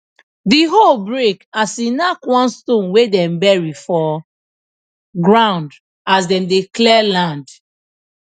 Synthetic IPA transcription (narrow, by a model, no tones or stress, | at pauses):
diɦolbɹekasinakwɔ̃nstõnwedɛ̃mbɛɹifɔ | ɡɹãʊ̃nd | asdɛ̃mdeklɛlãnd